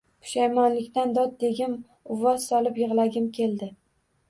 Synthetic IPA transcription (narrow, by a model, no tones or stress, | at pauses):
pʰʊ̥ʃajmɒnlɪkʲt̪and̪ɒt̪̚d̪e̞ɡʲɪm | ʊvɒzsɒlɪpjɨʁlaɡʲɪmkʲʰe̞ld̪ɪ